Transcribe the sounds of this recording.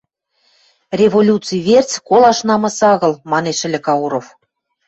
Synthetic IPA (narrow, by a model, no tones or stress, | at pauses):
rʲevolʲut̪t͡sɨjβert͡skolɑʃnɑmɑsɑɣɤ̆lmɑneʃɘ̆lʲɘ̆kɑuɾof